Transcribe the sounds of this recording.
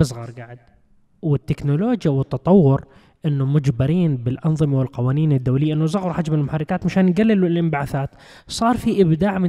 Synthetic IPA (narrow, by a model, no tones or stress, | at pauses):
bɨsˤɣɑːɾˤɡaːʕɪd̪̚ | wɪt̪ːɪknʊloːd͡ʒjawɪt̪ːɑt̪ˤɑwːʊɾ | ʔɪnːʊmʊd͡ʒbɪɾiːnbɪlʔɑnðˤɨmawɪlqɑwaːniːnɪd̪ːawlɪjːaʔɪnːʊzˤɑɣɾˤħad͡ʒmɪlmʊħarːɪkaːt̪maʃaːnjɡalːɪllʔɪmbaʕaθaːt̪ | sˤɑːɾˤfiʔɪbd̪aːʕmɪ